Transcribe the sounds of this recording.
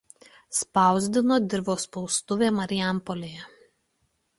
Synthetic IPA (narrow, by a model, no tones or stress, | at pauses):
spɑˑʊzʲd̪ʲɪnoːd̪ʲɪɾʋoːspɔʊst̪ʊʋʲeːmɐɾʲɪæˑmpɔlʲeːjɛ